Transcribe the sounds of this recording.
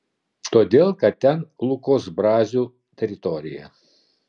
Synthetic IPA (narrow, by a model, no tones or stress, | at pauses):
t̪oːd̪ʲeːlˠkɐt̪t̪ʲɛnlˠʊkoːsbɾɑːzʲuː | t̪ʲɛɾʲɪt̪ɔɾʲɪ̰jɛ̰